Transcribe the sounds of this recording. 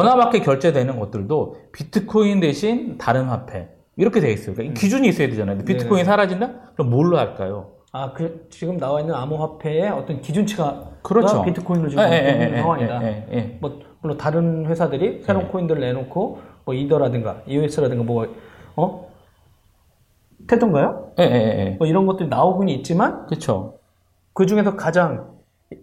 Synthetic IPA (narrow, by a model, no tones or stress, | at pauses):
ʌnabak͈ʰekjʌɭt͡ɕ͈e̞dwe̞nɯnɡʌt̚t͈ɯɭdopitʰɯkʰoinde̞ɕʰintaɾɯnhapʰe̞̰ | iɾʌkʰe̞deɡis͈ʌikaikid͡ʑuɲiːs͈ʌjade̞d͡ʑanajodepitʰɯ̥kʰoiinsʰaɾad͡ʑindakɯɾʌmːoɭːoɦaɭk͈a̰jo | akɯt͡ɕiɡɯmnawainːɯnamuɸwapʰe̞ːʌt͈ʌnkid͡ʑunt͡ɕʰiɡakɯɾʌt͡ɕʰopitʰɯ̥kʰoinɾot͡ɕieeeaŋwaɲidajeemʌ | muɭːotaɾɯnɸwe̞sʰadɯɾisʰeɾoŋkʰoindɯɾɯɭne̞nokʰomwʌidʌɾadɯŋɡa̰jue̞s͈ʰɯɾadɯŋɡamwʌʌ | tʰetʰoŋɡajojejeeḛmʌiɾʌnɡʌt͈ɯɾinaoɡuɲiːt̚t͡ɕ͈imankɯt͡ɕʰo̰ | kɯd͡ʑuŋe̞sʰʌkad͡ʑaŋ